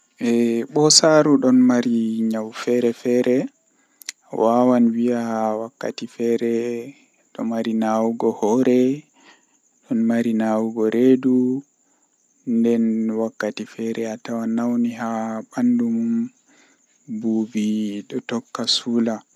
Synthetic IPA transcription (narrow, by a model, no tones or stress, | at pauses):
ʔɛɓɔsaɾuɗɔnmaɾiɲawfɛɾɛfɛɾʔɛ | wʔawanwiawakːa̰tifɛɾɛ | ɗɔ̰maɾinawuɡɔhɔɾɛ | ɗɔnmaɾinawuɡɔɾʔedu | ndɛnwakːatifɛɾɛatawanawniɦaɓandumum | buːbiɗɔtɔkːasula